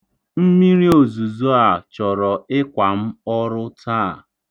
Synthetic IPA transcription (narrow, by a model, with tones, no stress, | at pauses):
m̩˦mi˦ɾi˦o˨zu˨zo˦a˨t͡ʃɔ˨ɾɔ˨ɪ˦kʷa˨m̩˦ɔ˦ɾʊ˦taː˦˨